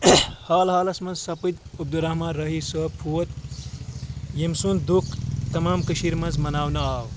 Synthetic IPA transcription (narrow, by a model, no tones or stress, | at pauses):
haːlɦaːlɐsmɐnzsɐpid̪ɐb̚d̪uɾɐhmãːnɾɐɦisɐːpʰuɐt̪ | jemsund̪ukt̪ɐmaːmkəʃiɾmɐnzmɐnaːwnɐaːw